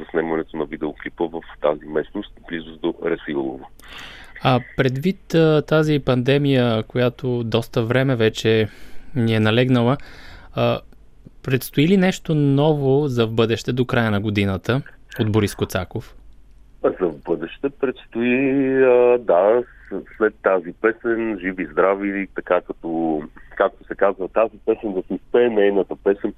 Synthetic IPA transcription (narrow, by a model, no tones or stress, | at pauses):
zɐsnɛmɐnɛt̪onɐvid̪ɛoklipəvəft̪a̰zimɛsnost̪blizʊzd̪oɾɛsilˠo̰vo | apɾɛd̪vit̪ət̪azipɐnd̪ɛmijəkojat̪od̪ɔst̪əvɾɛmɛvɛt͡ʃɛniɛnɐlɛɡnəlˠə | pɾɛt̪st̪oilinɛʃt̪onɔvozɐvbɤd̪ɛʃt̪ɛd̪okɾajənɐɡod̪inət̪əod̪boɾiskot̪sakof | zɐvbɤd̪ɛʃt̪ɛpɾɛt̪st̪oiəd̪a | slɛt̪ːazipɛsɛnʒivizd̪ɾavit̪ɐkakɐt̪ɔkak̚t̪osɛkazvɐt̪azipɛsɛnd̪ɐsispɛɛnɛjnət̪əpɛsɛn